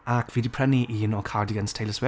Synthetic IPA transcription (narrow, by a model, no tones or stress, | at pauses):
akʰvidipʰɹ̥ɛniʔiənɔkʰaɹdiɡənstʰeləswɛ